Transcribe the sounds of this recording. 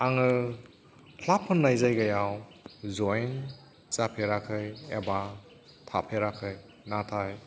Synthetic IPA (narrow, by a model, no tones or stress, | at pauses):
aŋɯ | kʰlapʰːɯnːajzajɡajawzɔjn | t͡ʃapʰeɾakʰɯjḛba | tʰapʰeɾakʰɯj | natʰaj